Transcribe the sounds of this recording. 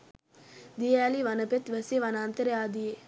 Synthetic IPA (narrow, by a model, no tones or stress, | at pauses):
d̪ijɐjaliʋɐnɐpet̪ʋɐseʋɐnaːnt̪əɾjaːd̪ie